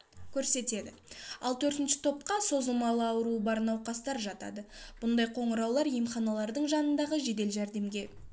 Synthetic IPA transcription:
kʲʰɵɾse̞t̪e̞d̪ɪ | ɑlˠt̪ʰɵɾt̪ɪnʃɪ̥t̪ʰo̞p̚qɑso̞zəlˠmɑlˠəɑwəɾuəbɑɾənɑwqɑst̪ɑɾʒɑt̪ɑ̰d̪əb̥ʊnd̪ɑjqʰo̞ɴəɾɑwlˠɑɾjemχɑnɑlˠɑɾd̪əɴʒɑnənd̪ɑʁəʒe̞d̪e̞lʒæɾd̪e̞mɡʲe̞

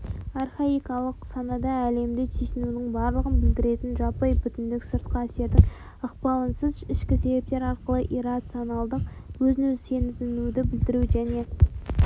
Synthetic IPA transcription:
ɑrχaijkɑlˠəqsɑnɑd̪ɑæle̞md̪ɪt̪ʰijsɪnunɪŋbɑɾlˠəʁənbɪld̪ɪɾe̞t̪ɪnʒɑpɑjbʏt̪ɪnd̪ɪksəɾt̪̚qɑæse̞ɾd̪ɪŋ | əqpɑlˠənsəzɪʃkʲɪse̞be̞p̚t̪e̞ɾɑɾqəlˠəʔirat̪sionɑlˠd̪əq̚wɵzɪnɵzsʰe̞nɪzɪnud̪ɪbɪld̪ɪɾuʒæne̞

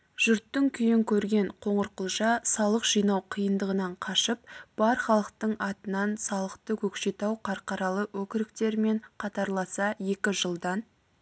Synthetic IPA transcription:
ʒ̥ʏɾt̪ːɪŋkʲʰʏjɪŋkʲʰɵɾɡʲe̞ɴqʰo̞ɴəɾqəlˠʒɑsɑlˠəqʒ̥ijnɑwqʰijənd̪əʁənɑɴqʰɑʃəp̚b̥ɑɾχɑlˠəq̚t̪əɴʔɑt̪ənɑnsɑlˠəqt̪əkʲʰɵkʃe̞t̪ɑwqʰɑɾqɑɾɑlˠəwɵkʲɪɾɪk̚t̪e̞ɾme̞ɴqʰɑt̪ɑɾlˠɑsɑje̞kʲɪʒəlˠd̪ɑn

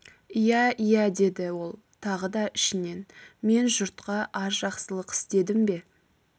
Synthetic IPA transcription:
ijæijæd̪e̞d̪ɪwo̞lˠ | t̪ʰɑʁəd̪ɑʔɪʃɪne̞nme̞nʒʊɾt̪qɑʔɑɾʒɑqsəlˠəqɪ̥st̪e̞d̪ɪmbe̞

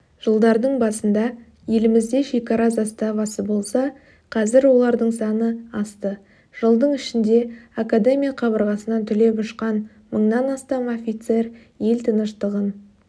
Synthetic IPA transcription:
ʒ̥əlˠd̪ɑɾd̪əɴbɑsənd̪ɑ | je̞lɪmɪzd̪e̞ʃekɑɾɑzɑst̪ɑvɑsəbo̞lˠsɑ | qʰɑzɪɾwo̞lˠɑɾd̪əɴsɑnəɑst̪ə | ʒ̥əlˠd̪əɴɪʃɪnd̪e̞akad̪e̞mijaqʰɑβəɾʁɑsənɑt̪ʰʏle̞pʊʃqɑn | məɴnɑnɑst̪ɑmofʲijt̪se̞ɾ | je̞lt̪ʰənəʃt̪əʁən

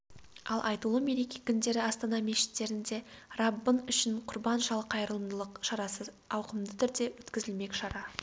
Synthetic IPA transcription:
ɑlˠʔɑjt̪əlˠume̞ɾe̞kʲekʲʰʏnd̪e̞ɾɪɑst̪ɑnɑmeʃɪ̥t̪ːe̞ɾɪnd̪e̞rɑbːənʏʃɪnqʰʊɾbɑnʒɑlˠqʰɑjɾəlˠəmd̪əlˠəqʃɑɾɑsəz | ɑwqəmd̪ət̪ʰʏɾd̪e̞wɵt̪kʲɪzɪlme̞kʲʃɑɾɑ

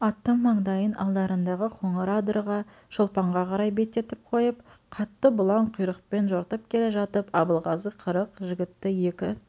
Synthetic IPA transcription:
ɑt̪ːəɴmɑɴd̪ɑjənʔɑ̰lˠd̪ɑɾənd̪ɑʁəqʰo̞ɴəɾad̪ərʁɑ | ʃəlˠpɑɴʁɑqʰɑɾɑjbe̞t̪ːe̞t̪ɪp̚qʰo̞jəp̚qʰɑt̪ːəbʊlˠɑɴqʰʊjɾəqpe̞nʒoɾt̪əp̚kʲʰe̞leʒɑt̪əpɑbəlˠʁɑzəqʰəɾəqʒɪɡʲɪt̪ːɪje̞kʲɪ

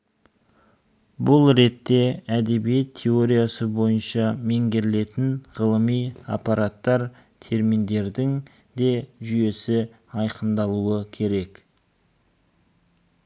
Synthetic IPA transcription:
bʊlˠɾe̞t̪ːe̞æd̪e̞bijet̪ʰːeo̞ɾijasəbo̞jənʃɑme̞ŋɡʲe̞ɾɪle̞t̪ɪnʁəlˠəmija̰paɾat̪ːɑɾ | t̪ʰe̞ɾmind̪e̞ɾd̪ɪŋ | d̪e̞ʒʏje̞sɪ | ɑjqənd̪ɑlˠuəkʲʰe̞ɾe̞k

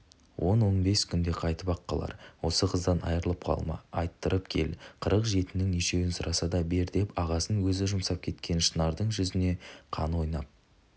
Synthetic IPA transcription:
wʔo̞nwo̞nbe̞skʲʰʏnd̪e̞qʰɑjt̪əpɑqːɑlˠɑ̰ɾwo̞səqʰəzd̪ɑnɑ̰jəɾəlˠəp̚qʰɑ̰lˠmɑ̰ɑjt̪ːəɾəpkʲʰe̞̰lqʰəɾəqʒe̞t̪ɪnɪŋneʃe̞wɪnsʊɾʔɑsɑd̪ɑbe̞ɾd̪e̞pɑʁɑsənwɵzɪʒʊmsɑp̚kʲʰe̞t̪kʲʰe̞nʃənɑɾd̪əɴʒʏzɪne̞qʰɑ̰nwo̞jnɑp̚

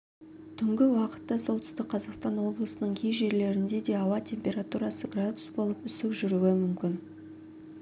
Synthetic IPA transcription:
t̪ʰʏŋɡʲɪwɑqə̥t̪ːɑso̞lˠt̪ʰʏ̥st̪ɪk̚qʰɑzɑqst̪ɑnwo̞blˠəsənəɴkʲʰejʒe̞ɾle̞ɾɪnd̪e̞d̪e̞ɑwɑt̪ʲʰe̞mpʲe̞ɾat̪uɾɑsəɡrad̪ʊsbo̞lˠəpʏsɪkʒʏɾuwɪmʏmkʲɪn

